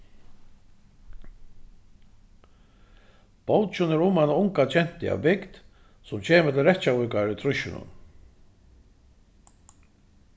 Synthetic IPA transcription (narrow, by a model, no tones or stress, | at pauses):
powt͡ʃʊnɛɾʊmanaʊŋkat͡ɕʰɛn̥t̪ɪa̰vɪkt̪ | sʊmt͡ɕʰeːmɛt̪ɪrɛht̪ːt͡ɕavʏkaɾʏt̪ʰɾʊʃʏnʊ̰n